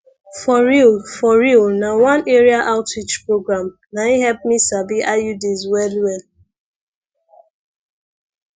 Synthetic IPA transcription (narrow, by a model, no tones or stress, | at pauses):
fɔɹilfɔɹilnawãneɹiaʔaʊtɹit͡ʃpɹoɡɹãm | naiɦɛlp̚misabiʔajudizwɛlwɛl